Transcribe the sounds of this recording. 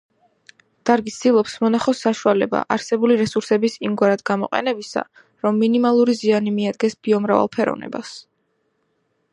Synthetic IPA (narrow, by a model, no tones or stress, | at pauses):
d̪̥aɾɡisd̪ilˠɔpsmɔnaχɔsːaʃualɛba̰ʔaɾsɛbuliɾɛsuɾsɛbisimɡwaɾad̪ɡamɔqʼɛ̰nɛbisa̰ | ɾɔmːinimalˠuɾizianimiad̪ɡɛsb̥iɔmɾava̰lˠpʰɛɾɔ̰vnɛ̰ba̰s